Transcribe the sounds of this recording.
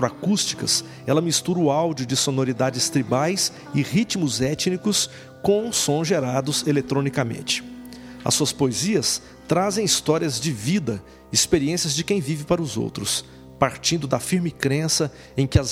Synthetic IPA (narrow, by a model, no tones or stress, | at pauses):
t̪ɾakust͡ʃi̥kɐ̰s | ɛlɐmist̪uɾʊawd͡ʒiʊd͡ʒɪsonoɾid̪ad͡ʒɪst̪ɾibajs | ɪʁit͡ʃmʊzɛt͡ʃnikʊs | kõw̃sõzʒeɾad̪ʊzelet̪ɾõnikɐmḛ̃nt͡ʃɪ̥ | ɐ̰suɐspoeziɐs | t̪ɾazẽj̃ist̪ɔɾiɐzd͡ʒɪvid̪ɐ | ispeɾiẽsiɐzd͡ʒɪkẽj̃vivɪpaɾɐʊzo̰wt̪ɾʊs | paɾt͡ʃĩnd̪ʊd̪ɐfiɾmɪkɾẽsɐ | ẽj̃kɪɐz